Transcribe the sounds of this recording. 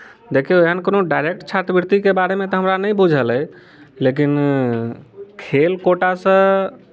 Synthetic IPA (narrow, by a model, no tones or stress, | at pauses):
d̪ekʰeojɦənkonoɖajɾek̚ʈt͡ʃʰat̪ɾəbiɾt̪ikebaɾemet̪ɔɦəmɾanəjbud͡ʒʱələj | lek̬in | kʰelkoʈasə̃